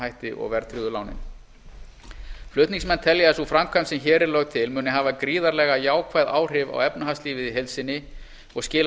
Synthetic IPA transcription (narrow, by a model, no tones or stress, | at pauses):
hajht̪ɪʔɔ̰ɣvɛɾt̪ʰɾiðʏlawnɪ̰m | flʏht̪niŋsmɛnːt̪ʰɛljasufɾamkʰamsɛmçɛːɾɪɾlœɣt̪ʰɪlmʏːnɪɦaːvakɾiːðaɾlɛɣajaːwkʰvaːjða̰ːwr̥ɪva̰wɛpnaɦast̪liːvɪðiɦejlsɪnːɪ | ɔɣscɪːl